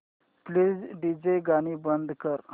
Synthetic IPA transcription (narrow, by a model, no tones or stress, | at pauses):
pliːd͡zɖid͡ʑejɡaɽ̃iːbənd̪ʱkəɾ